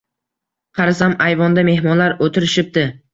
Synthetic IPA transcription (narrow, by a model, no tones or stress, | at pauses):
qʰɑɾasamajvɒnd̪ame̞hmɒnlaɾot̪ʰɪɾɪʃɪp̚d̪ɪ